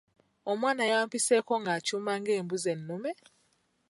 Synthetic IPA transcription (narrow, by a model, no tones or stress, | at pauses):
omwaːnajaːmpiseko̞ŋɡacumaŋɡe̞ːmbuzenːume